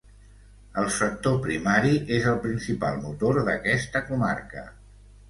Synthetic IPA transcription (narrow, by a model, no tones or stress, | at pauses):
əlˠsək̚t̪opɾimaɾiʔezəlˠpɾinsipa̰lˠmut̪oɾðəkɛst̪əkuma̰rkə̰